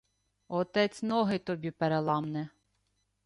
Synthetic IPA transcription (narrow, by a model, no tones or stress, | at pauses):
ɔt̪ɛt͡sʲnɔɦɪt̪ɔbʲipeɾelˠɑmnɛ